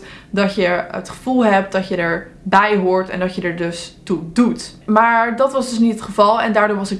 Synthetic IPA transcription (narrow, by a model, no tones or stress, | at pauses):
dɑtjəətχə̥v̥ulˠɦɛp̚t̚dɑtjədəɹ | bɛjɦoːɹtɛ̰ndɑtjədəɹdɵstudut | maːɹdɑtʋɑsdɵsnitətχəvɑlˠɛ̰ndaːɹdoːɹʋɑsɪk